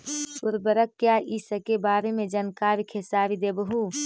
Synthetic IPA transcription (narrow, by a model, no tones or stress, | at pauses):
ʊɾbəɾəkːjaːʔiːsəkebaːɾemẽd͡ʒənkaːɾikʰesaːɾid̪eːbəɦu